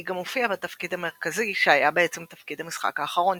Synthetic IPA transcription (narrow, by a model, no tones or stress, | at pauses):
iɡamofiabat̪ɐfkid̪ame̞ʁkaziʃeajabeet͡semt̪ɐfkid̪hamisχa̰kaːχaʁo̞n